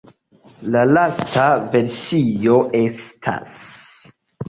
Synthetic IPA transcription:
lalastave̞ɾsio̞ʔe̞stʰa̰s

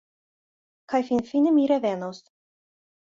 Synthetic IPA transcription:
kajfinfinəmiɾevenows

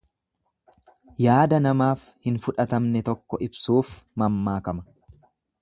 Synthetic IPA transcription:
jaːd̪ɐnɐmaːf | hɪnfʊᶑɐt̪ɐmnɛt̪ɔkːɔɪbsuːfmɐmːaːkɐmɐ̥

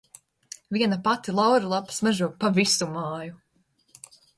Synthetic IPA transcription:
viɛnapat̪ilˠawɾilˠapsmɛʒuɔpavisumaːju

